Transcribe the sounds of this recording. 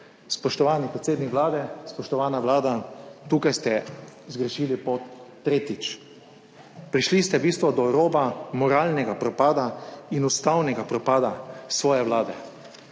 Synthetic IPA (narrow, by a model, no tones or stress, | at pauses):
spɔʃt̪ɔʋaːnipɾɛt̪seːd̪nikʋlaːd̪ɛspɔʃt̪ɔʋaːnaʋlaːd̪at̪uːkajst̪ɛzɡɾɛʃiːlipɔt̪ː | ɾeːt̪it͡ʃ | pɾiʃlist̪ɛbist̪ʋɔd̪ɔɾɔːbamɔɾaːlnɛɡapɾɔpaːd̪ainust̪awnɛɡapɾɔpaːd̪asʋɔːjɛʋlaːd̪ɛ